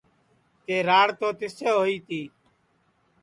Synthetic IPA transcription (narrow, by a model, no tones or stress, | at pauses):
t̪eːɾaːɽt̪oːt̪ɪseːɦoːiːt̪iː